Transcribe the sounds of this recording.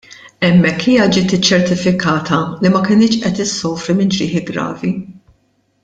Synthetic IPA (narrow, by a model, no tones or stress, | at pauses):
ɛmːɛkːiːjɐd͡ʒɪːt̪ɪt͡ʃːɛɾt̪ɪfɪkɐːt̪ɐlimɐkɪnɪːt͡ʃʔɛt̪ɪsːɔːfɾimɪnd͡ʒɾɪ̰ːħiɡɾɐ̰ːvi